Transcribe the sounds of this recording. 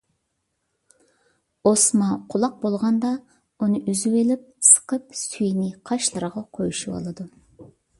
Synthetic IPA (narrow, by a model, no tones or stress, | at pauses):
osmɑqʰʊlˠɑq̚bolˠʁɑnd̪ɑ | ʊnɨʔyzywelɪp̚sə̥qəpsyjnɪqʰɑʃlˠɨɾʁɑqʰojʃɪwɑ̰lˠɑd̪ʊ